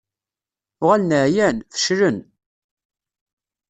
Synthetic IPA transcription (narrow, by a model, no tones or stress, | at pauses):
ʁælnəʕjænfə̥ʃɾən